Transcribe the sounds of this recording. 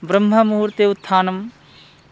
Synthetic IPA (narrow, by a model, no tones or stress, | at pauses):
bɾɐmɦɐmuɦɾt̪eːut̪ʰːaːnɐm